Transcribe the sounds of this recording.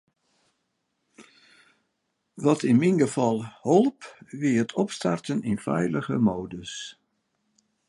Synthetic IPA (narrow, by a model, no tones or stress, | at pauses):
ʋɔtɪnminɡəv̥ɑlˠholˠpʋɪəətʰɔpsta̰rtənɪnfɛ̰jləɣəmoːdəs